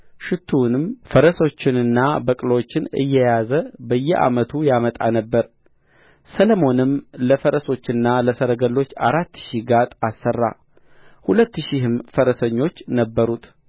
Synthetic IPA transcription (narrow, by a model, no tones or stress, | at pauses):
ʃɪt̪ʰːunɨmfəɾəso̞t͡ʃːɪnɨnːabəkʼləwot͡ʃːɪnɨ̰jːɛjazəbəjːɛʔa̰mət̪ʰujamət̪ʼa̰nəbːəɾ | sələmo̞nɨmləfəɾəso̞t͡ʃːɨnːaləsəɾəɡəlːo̞t͡ʃːa̰ɾat̪ːʃiɡat̪ʼasːərːa̰ | hulət̪ːɨʃihɨmfəɾəsəɲːo̞t͡ʃːnəbːəɾut̪